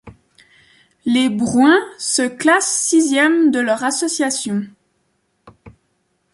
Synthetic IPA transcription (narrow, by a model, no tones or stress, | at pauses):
lebʁwɛ̃səklasːizjɛmd̪əlœʁasɔsjasjɔ̃